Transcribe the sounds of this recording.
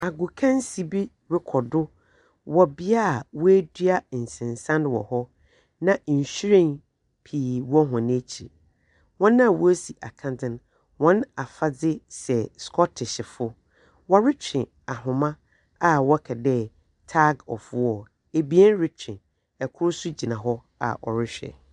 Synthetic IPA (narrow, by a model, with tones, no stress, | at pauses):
a˨ɡʊ˨kʰã˦n˦si˨bi˦ | ɾɪ˦kʰɔ˨dʊ˦ | wɔ˨bɪ˦a˦˨wɔ˦æ˦dɥa˦˨n̩˨sɪ̃˨nsã˦nwɔ̰˨hɔ˦ | nã˦˨ɕi˦ɾẽ˦n | pʰiː˨wɔ˦ɦʊ̃˨n˦e˦t͡ɕʰḭ˨ | wɔ̃˦nːã˦˨wʔɔ˦si˨ʔa̰˨kʰã˦˨dɪ̃˦n | wɔ̃˦na˨fa˦d͡zɪ˦sɛ˨skʰɔ˦tʰɪ˨ɕɪ˨fʊ˦ | wɔ˦ɾɪ˦t͡ɕᶣɪ̃˨ | a˨ɦʊ̃˨mã˦ | a˨wɔ˦kʰɛ˨dɛ˦ | tʰa˦ɡɔ̰˨fʊ˦wɔ˦˨ | e˨bi˨˦ɛ˦n˦ɾɪ˦t͡ɕᶣʰɪ̃˨ | ɛ˨kʰʊ˦ɾsʊ˦d͡ʑi˨nã˨ɦɔ˦ | a̰˨ʔɔ̰˨ɾɪ˦ɕᶣɛ̰˨